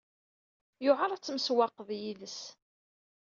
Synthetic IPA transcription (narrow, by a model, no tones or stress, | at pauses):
jʊʕəɾˤæt͡sːəməswɑqːəðjiðəs